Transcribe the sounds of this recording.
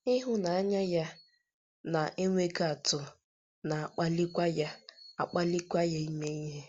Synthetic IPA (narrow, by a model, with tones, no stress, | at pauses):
i˦ɦʊ˦na˨a˦ɲa˦ja˦ | na˨ʔe˦ŋʷe˦ɡa˨tʊ˨ | na˨a˨k͡pa˦li˦kʷa˦ja˦a˨k͡pa˦li˦kʷa˦ja˦i˦me˦i˦ɦe˦